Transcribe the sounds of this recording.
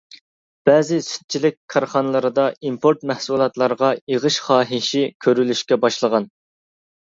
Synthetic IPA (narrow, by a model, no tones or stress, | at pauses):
b̥ɛːzɪsy̥t̪̚t͡ʃʰilɪk̚ʲkʰɑɾχɑnɨlˠɨɾɨd̪ɑimpʰoɾt̪̚mɛhsulˠɑt̪lˠɑɾʁɑeʁəʃχɑːɦiʃɪkʲʰøɾylyʃkʲɛbɑʃlˠəʁɑn